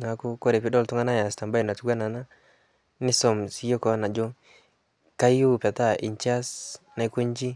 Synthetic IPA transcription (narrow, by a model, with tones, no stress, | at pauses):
na˨˦ko˦kɔ˦ɾe˨pi˦dɔ˦ltu˦ŋa˦na˦ja˨sta˨mba˦i˨na˨tu˦ɡa˦na˨na˦ | nɪ˦sɔ˨msi˦jo˦kɔ˨˦na˨d͡ʒo˦ | ka˦ju˦˨pa˨ta˦˨ʔḭ˨ɲt͡ʃa˦sna˨i˦ko˦ɲ˦d͡ʒi˦